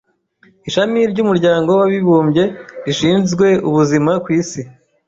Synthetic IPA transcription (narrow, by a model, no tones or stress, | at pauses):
iʃamiɾɟumuɾɟaːŋɡo̞waβiβuːmbɟe̞ɾiʃiːnzɡwe̞uβuzimakwiːsi